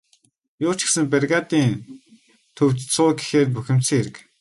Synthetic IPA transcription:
jʊːt͡ɕɪ̥̆xsɘ̆mperɣaːt̪iːn | t̪ʰɵwt̪t͡sʊːɡi̥xeːt̪̚puxʲɪ̆m̥t͡sɘ̆ŋeɾɘ̆k

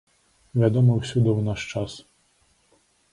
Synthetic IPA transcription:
ʋʲad̪ɔmɔwsʲud̪ɪwnaʃt͡ʃas

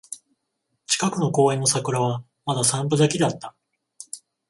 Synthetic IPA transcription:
t͡ɕi̥kakɯ̟no̞ko̞ːẽ̞nːo̞sakɯ̟ɾaβa | mad̪asãmpɯ̟d̪akʲid̪eat̪ːḁ

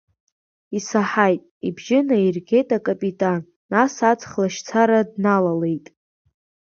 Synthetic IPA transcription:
isaħajtʼibʒɪnairɡʲe̞jtʼakʼapʼitʼanːasat͡sʼχlaʃt͡sʰaɾadnalale̞jtʼ

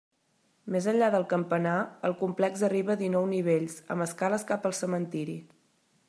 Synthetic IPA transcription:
mezəɲʲʎaðəlˠkəmpənaəlˠkumplɛkzəriβəðinɔwniβeʎsə̰məskaləskapəlˠsəmənt̪iɾi

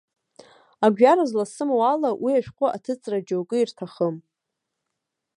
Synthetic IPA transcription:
aɡʷᶣaɾazlasɨmwalawʔiaʃᶣqʷʼʊʔa̰tʰɨt͡sʼrad͡ʒowkʼɨirtʰaχəm

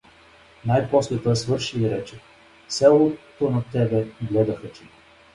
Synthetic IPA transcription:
najpɔslɛt̪oɛsvɤɾʃiiɾɛt͡ʃɛ | sɛlˠot̪onat̪ɛbɛɡlɛd̪ɐxɐt͡ʃi

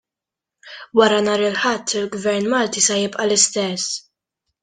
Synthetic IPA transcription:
wɐɾɐnɐːɾɪlħɐt̪ːɪlɡvɛɾnmɐːlt̪isɐjɪpʔɐlɪst̪ɛsː

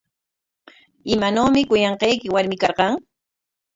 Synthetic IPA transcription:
ɪmanoːmɪkʊjɑɴqɑjkɪwaɾmɪkɑɾqɑŋ

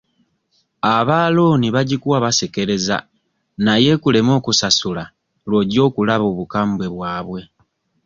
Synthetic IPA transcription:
aβaːloːniβaɟikuwaβaseke̞ɾe̞za̰ | naje̞kule̞mo̞ːkusasula | lwo̞ɟo̞ːkulaβo̞ːβukaːmbwe̞βwaːβwe̞

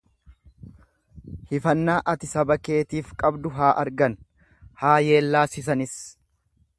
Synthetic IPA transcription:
hɪfɐnːaːʔɐt̪ɪsɐbɐke̞ːt̪iːfkʼɐbd̪ʊɦaːʔɐɾɡɐn | haːje̞ːlːaːsɪs̬ɐnɪs

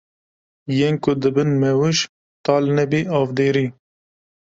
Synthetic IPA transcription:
jeːnkʊd̪ɨbɨnmɛwɨʃ | t̪ɑːlnɛbiɑːvd̪eːɾiː

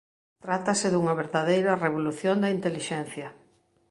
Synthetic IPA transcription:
t̪ɾat̪ɐsɪðuŋɐβeɾðaðejɾɐreβoluθjond̪ɐint̪eliʃɛn̟θjɐ

